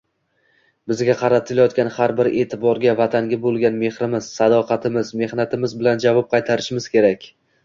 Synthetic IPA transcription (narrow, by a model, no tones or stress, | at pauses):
bɪzɡʲaqʰɑɾat̪ʰɪlajɒt̪̚kʲanhaɾbɪɾe̞ːt̪ʰɪbɒɾɡʲavat̪ʰaŋɡʲabolˠɡʲanme̞hɾɪmɪz̥sad̪ɒqʰɑt̪ʰɪmɪzme̞hnat̪ʰɪmɪzbɪland͡ʒavɒp̚qʰɑjt̪ʰaɾɪʃɪmɪz̥kʲe̞ɾakʲ